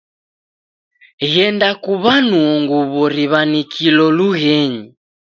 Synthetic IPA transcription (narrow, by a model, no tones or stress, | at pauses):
ɣɛndakuβanuɔŋɡuβɔɾiβanikʰilɔluɣɛɲi